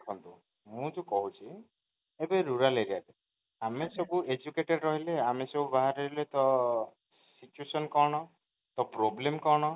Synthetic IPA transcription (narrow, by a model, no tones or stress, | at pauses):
kʰɔnt̪ũ | mũd͡ʒukɔɦut͡ʃʰi | ebeɾuɾaleɾiaɾe | amesɔbued͡ʒukeʈeɖɾɔɦileamesɔbubaɦaɾeɾilet̪ɔ | sit͡ʃuesɔnkɔɽ̃ɔ | t̪ɔpɾoblemkɔɽ̃ɔ